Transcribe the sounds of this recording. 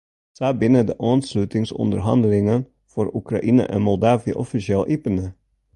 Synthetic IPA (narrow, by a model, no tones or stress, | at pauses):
sæːbɪnəd̪əʔoːnslʉːt̪ɪŋsʉ̰nd̪əɾhɑ̰nd̪lɪŋən | fɔɾʊkɾɑʔiːnə̰ʔḛːnmɔld̪ɑːʋɪʔɔfɪsɪɛlʔiːpənə